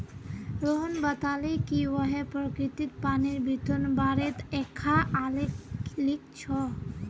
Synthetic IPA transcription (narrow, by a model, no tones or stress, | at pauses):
ɾoɦɔnbət̪alekiʋɔɦepɾɔkɾit̪it̪̚paniɾbʱit̪onbaɾet̪ekʰːaalelik̚t͡ʃʰɔ